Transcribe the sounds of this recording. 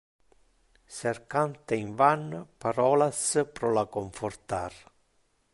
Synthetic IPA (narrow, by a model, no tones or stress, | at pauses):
serkant̪eiɱvanpaɾɔːlaspɾɔlakoɱfort̪ar